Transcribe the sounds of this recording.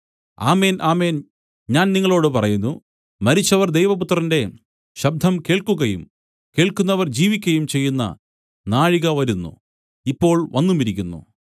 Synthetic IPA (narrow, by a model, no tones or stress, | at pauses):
a̰ːme̞ːnʔaːme̞ːn | ɲaːnniŋːɐɭo̞ːɽɨpɐrɐjunːu | mɐɾit͡ɕːɐʋɐrd̪ejʋɐput̪ːrɐnde̞ | ɕɐb̚d̪ʱɐmke̞ːɭkuɣɐjṵm | ke̞ːɭkunːɐʋɐrd͡ʑiːʋikʲːɐjumt͡ɕe̞jːunːɐ̰ | naːɻiɣɐʋɐɾunːṵ | ipːo̞ːɭʋɐnːumiɾikʲːunːṵ